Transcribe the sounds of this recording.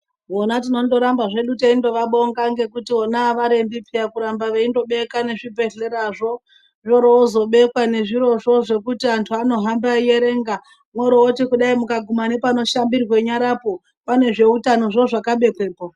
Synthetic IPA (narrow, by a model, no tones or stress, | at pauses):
ʋonat̬ino̞ndo̞ɾambaʐe̞ɗuteindo̞ʋaɓoŋɡaŋɡe̞kutio̞naʋaɾe̞mbipijakuɾambaʋeindo̞ɓe̞kwane̞ʐibe̞ɮe̞ɾaʐo̞ | ʐoɾoozo̞ɓe̞kwane̞ʐiɾo̞ʐo̞ʐe̞kutiantʰuano̞ɦambaije̞ɾe̞ːŋɡa | mwoɾootikuɗaimukaɡʱumanepano̞ʃambirwe̞ɲaɾapo̞ | pane̞ʐe̞utano̞ʐoʐakaɓe̞kwe̞ːpo